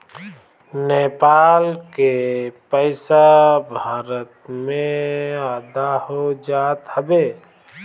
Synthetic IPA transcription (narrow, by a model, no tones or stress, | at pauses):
neːpaːlkepəɪsabʱaːɾət̪mẽəd̪ahod͡ʒaːt̪həbeː